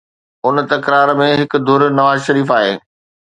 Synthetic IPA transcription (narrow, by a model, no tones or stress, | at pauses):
ʊnt̪ɐkɾaːɾmẽɦɪkd̪ʱʊɾnɐʋaːzʃɐɾiːfaːɦeː